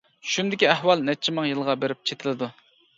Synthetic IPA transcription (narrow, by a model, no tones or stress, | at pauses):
ʃund̪ɪkʲiæhwɑlˠnɛt͡ʃʰimɨŋjɨlˠʁɑbeɾɪp̚t͡ʃʰet̪ʰɪlɪd̪u